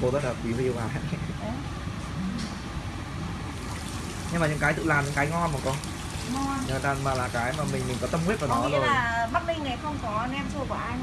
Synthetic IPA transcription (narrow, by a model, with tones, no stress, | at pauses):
ko˧zə˦˥t̚laː˨˩kwi˨˦hi˧əwhaː˨˩ɦa̰˧˨˦j | ʔɨ˨˩˨ | ɲɨ˧maː˨ɲɨ̰˧˥ŋkaː˨˦jt̪ɨ̰˧˨laː˨˩ɲɨ̰˧˥ŋkaː˨˦jŋɔ˧nɓaː˨˩kɔ˧ | ŋɔ˧˨əː˨˩t̪aː˧maː˨˩laː˨˩kaː˨˦jmaː˨˩mï˨˩ŋ̟mï˨˩ŋ̟kɔ˨˦t̪ə˧mŋ͡mkwt̚vaː˨˩˨ɔ˧ɔ˨˦zjaː˨˩ɓaː˦˥k̚mï˧ŋna˨˩jxə˧wŋ͡mkɔ˨˦˧nʔɛ˧msu˧əkwaː˧˩ʔa˧